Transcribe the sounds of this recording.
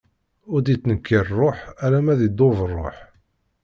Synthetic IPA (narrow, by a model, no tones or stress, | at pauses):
ʊɾd̪it͡sːnəkːiɾˤrˤːoħælæmæðid̪ovərˤːo̰ħ